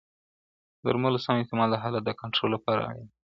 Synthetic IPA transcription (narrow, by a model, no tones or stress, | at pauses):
d̪əɾmələsamɪnt̪ɪmɑllaɦalad̪əkaɳʈɾolːapɑɾa̰i